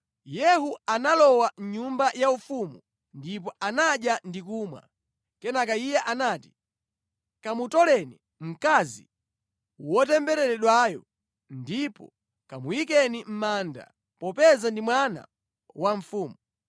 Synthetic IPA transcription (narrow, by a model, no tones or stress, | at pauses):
jɛɦuanalɔwaɲumbajaufumu | ndipɔʔanaɗjandikuːmwa̰ | kɛnakaijɛʔanaːti̥ | kamutɔlɛni | m̩kazḭ | wɔtɛmbɛɾɛɾɛɗwajɔ | ndipɔ̰ | kamuwikɛnim̩maːnda̰ | pɔpɛzandimwana̰ | waɱ̩fuːmu